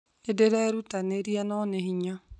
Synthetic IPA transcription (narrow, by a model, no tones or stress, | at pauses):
edeɾeeɾutaneɾienɔneɦiɲa